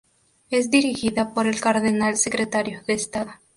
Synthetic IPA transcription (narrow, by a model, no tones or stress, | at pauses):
e̞zd̪iɾixiðapo̞ɾe̞lkaɾðe̞nalse̞kɾe̞t̪aɾjoðe̞ːst̪aðo